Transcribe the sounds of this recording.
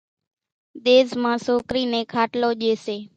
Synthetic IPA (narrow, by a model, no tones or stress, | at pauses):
d̪eːsmãːsoːkɾiːneːkʰaːʈloːd͡ʒeːseː